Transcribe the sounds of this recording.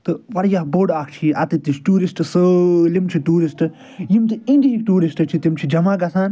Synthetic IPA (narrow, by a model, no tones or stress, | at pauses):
t̪ɨʋɐɾjaːhboːɖaːkʰt͡ʃʰiʔɐt̪it̪isʈuːɾisʈɨsɨlimt͡ʃʰiʈuːɾisʈɨ | jimt̪̬ɨinɖikʈuːɾisʈɨt͡ʃʰit̪imt͡ʃʰid͡ʒɐmaːɡɐsaːn